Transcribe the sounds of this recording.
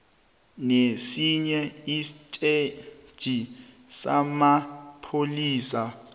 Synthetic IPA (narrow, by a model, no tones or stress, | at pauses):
nesiɲɛisitʼed̥ʒ̥ʱi | samapʰoliːsa